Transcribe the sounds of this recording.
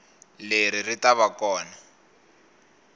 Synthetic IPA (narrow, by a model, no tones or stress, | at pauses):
leɾiritaβakɔːna